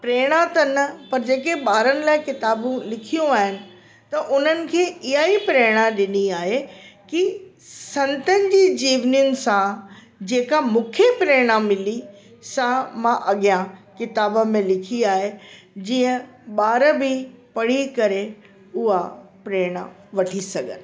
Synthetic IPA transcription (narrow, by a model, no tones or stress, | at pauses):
pɾeːɽ̃at̪ɐnɐpɐɾd͡ʑeːkeɓaːɾənɪ̆laːɪkɪt̪aːbũlɪkʰijũaːɦɪnɪ̆ | t̪ɐʔʊn̤ənɪ̆kʰeːɪɦaipɾeːɽ̃aɗɪniaːɦeki | sɐ̃nt̪ənɪ̆d͡ʑiːd͡ʑiːʋnijʊnɪ̆sã | d͡ʑeːkamũːkʰepɾeːɽ̃amɪli | sãmãʔɐɠijãkɪt̪aːbə̆mẽlɪkʰiaːɦe | d͡ʑĩːə̃ɓaːɾəbɪpɐɽ̤ikɐɾe | ʊɦapɾeːɽ̃a̰ | ʋɐʈʰisɐɡʱənɪ̆